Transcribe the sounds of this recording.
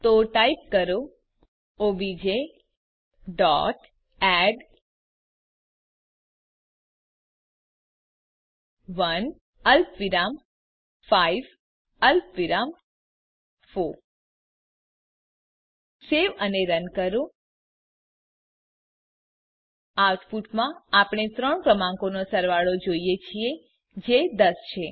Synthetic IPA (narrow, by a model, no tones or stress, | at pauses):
t̪oʈaːjp̚kɐɾu | obid͡ʒe | ɖɔ̰ːʈ | ɛːɖ | ʋɐn | ɐlpʋiɾaːm | fʰaːiʋ | ɐlpʋiɾaːm | foɾ | seʋəneɾənkəɾũ | awʈfuʈmãapɽ̃et̪ɾəɳpɾəmãŋkonosəɾʋaɭod͡ʒoijet͡ʃʰie | d͡ʒed̪əst͡ʃʰe